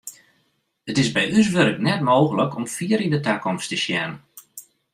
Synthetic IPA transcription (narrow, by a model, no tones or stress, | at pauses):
ətɪzbɛjys̬ʋøɾəknɛt̚moːɣələkɔmfiəɾindətakɔmstəʃjɛnən